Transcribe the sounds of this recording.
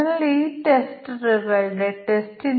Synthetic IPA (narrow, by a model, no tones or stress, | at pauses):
ɐliːʈesʈɨrɨɣɐɭɖeʈesʈin